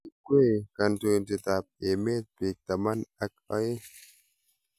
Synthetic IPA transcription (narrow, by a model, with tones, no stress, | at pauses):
kʷe˦˨ka˨ntu˧˨nti˨˧t̪a˨p̚e˨me˦˨t̪̚pi˨k̚t̪a˨ma˦˨na˧k̚ɔ˦j